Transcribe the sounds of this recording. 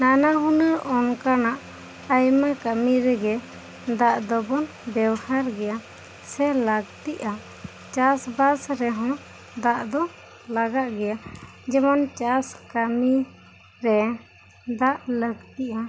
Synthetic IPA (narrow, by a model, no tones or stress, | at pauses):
nanaɦunəɾɔnkanaʔ | ajmakamiɾɛɡɛ | d̪aʔd̪ɔbɔn | bɛwhaɾɡɛja | sɛlaɡt̪iʔa | t͡ʃasbasɾɛɦɔ̃ | d̪aʔd̪ɔ | laɡaʔɡɛjad͡ʒɛmant͡ʃaskami | ɾɛ | d̪aʔləɡt̪iʔa